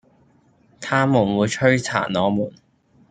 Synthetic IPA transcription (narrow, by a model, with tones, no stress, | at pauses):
t̪ʰaː˥muː˨˩nwuː˨˧jt͡ʃʰɵ˥ɥt͡sʰa̰ː˨˩nnɔː˨˧muː˨˩n